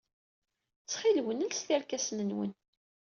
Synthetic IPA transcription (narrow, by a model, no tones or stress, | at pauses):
t͡sːχilwənəlst̪iɾkæsnənwə̰n